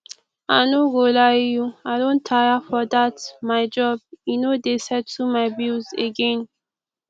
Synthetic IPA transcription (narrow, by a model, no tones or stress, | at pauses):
a̰ɪnoɡolajjuaɪdõntʰajafɔdatmaɪd͡ʒɔb̚junodesɛd̚tumaɪbizḛɡɛ̃n